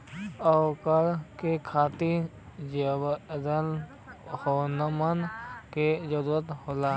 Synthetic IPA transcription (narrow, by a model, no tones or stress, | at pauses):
əkəɾkekʰaːt̪i | d͡ʒəbd̪əl | hoːnəmənked͡ʒəɾuːɾət̪ɦoːlaː